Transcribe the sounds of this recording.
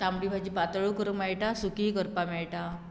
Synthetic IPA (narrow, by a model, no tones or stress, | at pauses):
t̪amɽibʱad͡ʑipat̪əɭukəɾumɛɭʈasukikəɾpamɛɭʈa